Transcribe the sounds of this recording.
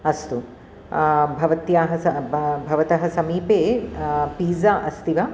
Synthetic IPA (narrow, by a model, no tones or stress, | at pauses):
ɐst̪u | bʱɐʋɐt̪jaːɦɐɐbbʱɐʋɐt̪ɐɦɐ̆sɐmiːpeːpiːzaːʔɐst̪iʋɐ